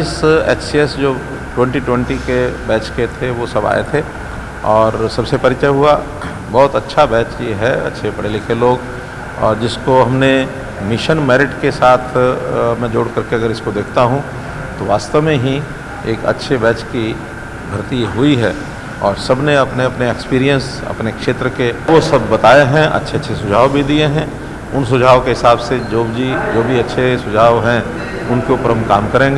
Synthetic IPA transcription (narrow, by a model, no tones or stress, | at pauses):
ɪsɛ̰ːt͡ʃsiɛsd͡ʒoː | ʈwɛ̃ɳʈiʈwɛ̃ɳʈikebɛːt͡ʃket̪ʰeʋosɐba̰ːḛt̪ʰe | ɔːɾsɐbsepɐɾɪt͡ʃəɦua | bɔɦʊt̪ɐtːʃʰabɛːt͡ʃjeɦɛɐ̰tːʃʰepɐɽ̤elekʰeloːɡ | ɔːɾd͡ʒɪskoɦɐmne | mɪʃənmɛːɾɪʈkesaːt̪ʰmɛ̃ːd͡ʒoːɽkɐɾkeɐɡəɾɪskod̪eːkʰt̪aɦũ | t̪oʋaːst̪əʋmẽɦi | eːkɐ̰tːʃʰebɛːt͡ʃki | bʱɐɾt̪iɦʊiɦɛː | ɔːɾsɐbneɐpneɐpneekspiːɾijə̃ns | ɐ̰pnekʃeːt̪ɾəkeʋosɐbʱːɐt̪aːjaɦɛ̃ʔɐ̰tːʃʰeɐtːʃʰesʊd͡ʒʱaːʋbʱid̪ieɦɛ̃ | ʊns̬ʊd͡ʒʱaːʋkeɦɪsaːbsed͡ʒoːd͡ʒid͡ʒoːbʱiɐtːʃʰesʊd͡ʒʱaːʋɦɛ̃ | ʊnkeʊpɾəmkaːmkɐɾẽːŋɡeː